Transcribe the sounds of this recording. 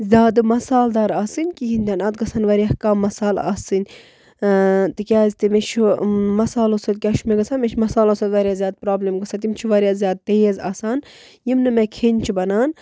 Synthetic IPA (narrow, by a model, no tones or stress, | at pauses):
zʲaːd̪ɨmɐsaːld̪aːɾaːsɨnʲkiɦinʲd̪ʲanɐd̪ɡɐsɐnʋɐɾʲjahkaːmːɐsaːla̰ːsɨnʲ | t̪ɨkʲaːzit̪imeʃʰmɐsaːlosɐd̪̚kʲaːʃumeɡɐsʰaːnmʲeʃʰmɐsaːlosɐd̪ʋɐɾʲjaːzʲaːd̪̚pɾaːblʲemɡɐsat̪imʲt͡ʃʰiʋɐɾʲijaːzʲjaːd̪̚t̪ejeza̰ːsaːn | jimnɨmekʰeːnʲt͡ʃʰibɐnaːn